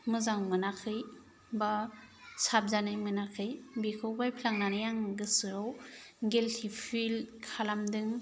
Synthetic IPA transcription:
mɯzaŋmɯnakʰɯj | basab̚zanɯjmɯnakʰɯjbikʰɯwbajpʰlaŋnanɯjaŋɡɯsɯɾɔwɡeltʰipʰilkʰalamdɯŋ

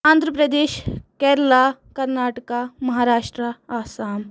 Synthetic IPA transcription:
ãːnd̪ʱɾəpɾɐd̪eːʃkɛːɾlaːkɐɾnaːʈəkamɐɦaːɾaːʃʈɾəaːsaːm

